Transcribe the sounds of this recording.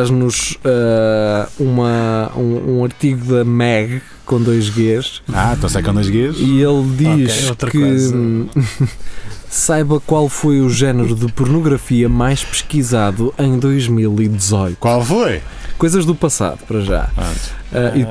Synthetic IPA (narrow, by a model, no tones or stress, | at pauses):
aʒnuʃɛ | umɐũũɐɾt̪iɣuðɐmɛɣ | kõd̪ojʒɣeʃãt̪ɐ̃sɐjkõd̪ojʒɣeʃielˠd̪iʃot̪ɾɐkkɨz | sajβɐkwalˠfojuʒɛnɨɾuðɨpuɾnuɣɾɐfiɐmajʃpɨ̥ʃkizaðuʔẽj̃d̪ojʒmilˠid̪zɔjt̪kwalˠfojkojzɐʒðupɐsa̰ðupɐɾɐʒa̰ɐ̰̃ɛi